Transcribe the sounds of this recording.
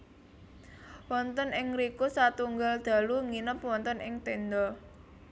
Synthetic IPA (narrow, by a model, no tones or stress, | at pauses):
wɔnt̪ənɪŋɾikusat̪uŋɡald̪̥a̤luŋinəpwɔnt̪ənʔɪŋt̪end̪ɔ